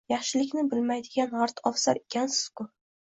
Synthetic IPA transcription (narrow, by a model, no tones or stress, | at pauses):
jɑχʃɪlɪkʲnɪbɪlmajd̪ɪɡʲanaɾt̪ʰɒfsa̰ɾekʲʰansɪ̥z̥kʊ